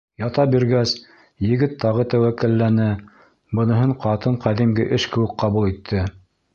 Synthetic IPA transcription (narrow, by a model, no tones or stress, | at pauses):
jɑt̪ɑbiɾɡæs | jɘ̆ɡɘt̪ʰːɑʁɤt̪æwækɘ̆lːænɘ | bɤ̆nɤ̆ɦɤɴqɑt̪ɤɴqæðimɡɘʔɘʃkɘ̆wɘ̆k̚qɑβulˠit̪ʰːɘ